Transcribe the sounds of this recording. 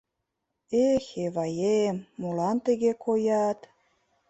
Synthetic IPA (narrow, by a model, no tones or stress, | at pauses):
exeβɑjemːolɑnt̪ə̆ɣekʰojɑt̪